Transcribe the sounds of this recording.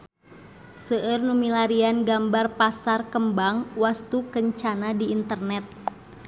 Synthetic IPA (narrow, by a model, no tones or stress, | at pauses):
səʔərnumilaɾianɡambarpasarkəmbaŋwast̪ukəɲt͡ʃanadiːnt̪ərnɛt̪̚